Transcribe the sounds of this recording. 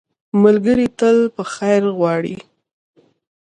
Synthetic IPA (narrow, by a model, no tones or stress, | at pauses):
malɡəɾit̪əlpəxajɾɣwɑɽḭ